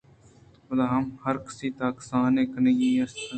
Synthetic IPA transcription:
məlaːɦəmhəɾkə̥siːt̪aːksaːnẽːkənẽːɡiːəɾs

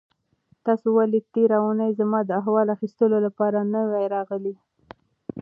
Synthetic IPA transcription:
t̪ɑsowalit̪eɾaunajzamɑd̪əaɦwɑlaxist̪əlolapɑɾanəwajɾɑɣəli

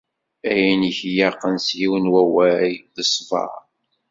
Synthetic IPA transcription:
æjæniçjɑqːənsjiwənwæwæjðəsˤvɑ̰ɾ

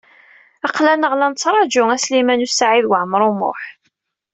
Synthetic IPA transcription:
ɑqlænəʁlænsɾˤɑd͡ʒʊæslimænusaʕiðwəʕmɾˤʊmʊ̰ħ

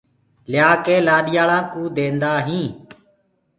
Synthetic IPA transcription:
lɪjaːkeːlaːɗɪjaːɭãːkũːd̪eːnd̪aːɦĩː

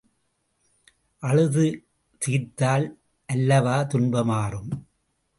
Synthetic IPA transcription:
ʔɐɻɯðɯ | t̪iːɾt̪aːl | ʔɐlːɐʋaːt̪ʊnbɐmaːrɯm

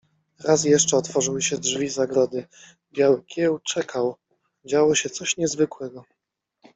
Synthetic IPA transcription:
ɾas̬jɛʂt͡ʂɛɔt̪fɔʐɘwɘɕɛdʐvʲizaɡɾɔd̪ɘ | bʲjawɘkʲjɛwt͡ʂɛkʰaw | d͡ʑawɔɕɛt̪sɔɕɲɛzvɘkwɛɡɔ

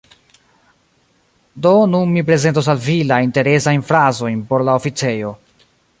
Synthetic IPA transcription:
do̞nunmipɾe̞ze̞ntos̬alvilainte̞ɾe̞sajnfɾazo̞jnpo̞ɾlaofit͡se̞jo̞

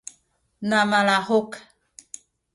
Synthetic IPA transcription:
namalahok

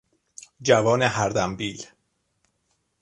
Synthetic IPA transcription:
d͡ʒævɒːneɦæɾd̪æmbiːl

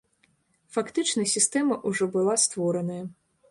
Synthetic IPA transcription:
fakt̪ɨt͡ʂnɐsʲist̪ɛmɐʔuʐɔbɨlˠast̪vɔɾɐnɐjɐ

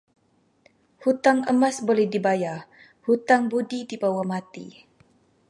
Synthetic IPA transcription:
hut̪aŋəmasbolɛhdibaja | hut̪aŋbudidibawamat̪ḭ

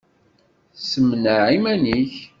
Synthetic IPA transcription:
səmnəʕimæniç

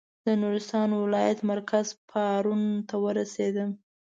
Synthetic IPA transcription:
d̪̥ənuɾɪst̪ɑnwɪlɑjat̪maɾkʰazpʰɑɾunt̪awəɾased̪ə

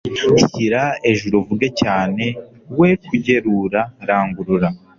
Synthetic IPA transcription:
uiɾae̞ʒuɾovuɡecaːne̞ | we̞kuɟe̞ɾuɾaɾaːŋɡuɾuɾa

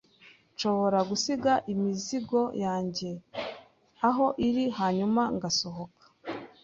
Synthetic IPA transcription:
nʃo̞βo̞ɾaɡusiɡaʔimiziɡo̞jʔaːɲɟe̞ | aɦo̞ʔiɾihaːɲumaŋɡaso̞ɦo̞kḁ

